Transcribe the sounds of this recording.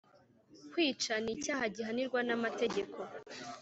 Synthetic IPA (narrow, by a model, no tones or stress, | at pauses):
kwiːt͡ʃanicaːɦaɟiɦaniɾɡwanamate̞ɟe̞kʰo̞